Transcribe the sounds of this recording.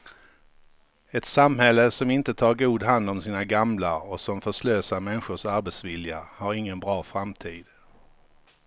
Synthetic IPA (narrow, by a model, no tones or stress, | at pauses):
ɛt̪samɦɛlːəsɔmɪnt̪ət̪ʰɑːɾɡuːd̪ɦand̪ɔmsiːnaɡamlaɔsɔmfœʂløːsaɾmɛnɧʊʂaɾbɛt̪svɪljahaɾɪŋːənbɾɑːfɾamt̪ʰiːd̪̥